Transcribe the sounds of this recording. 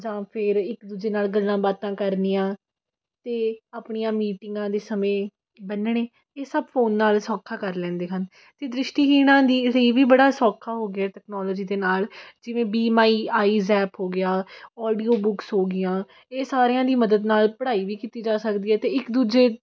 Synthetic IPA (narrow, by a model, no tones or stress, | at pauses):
d͡ʒãːpʰɪɾɪkd̪uːd͡ʒeːnaːlɡəlːãːbaːt̪ãːkəɾniːãː | t̪eːaːpɳijãːmiːʈɪŋɡãːd̪eːsəmẽː | bənɳ̃eː | eːsəbfʰoːnːaːlsɔːkʰaːkəɾlɛ̃ːnd̪eːɦən | t̪eːd̪ɾɪʃʈiːɦiːnãːd̪iːleiːʋiːbəɽaːsɔːkʰaːɦoːɡɪɛːʈɛːknɔːlɔːd͡ʒiːd̪eːnaːld͡ʒɪʋẽːbiːmaːiːaːiːzɛːpɦoːɡɪjaːɔːɖiːoːbʊksɦoːɡɪjãː | eːsaːɾeãːd̪iːməd̪əd̪naːlpəɽaːiːʋiːkiːt̪iːd͡ʒaːsəkd̪iːɦɛːt̪eːɪkd̪uːd͡ʒeː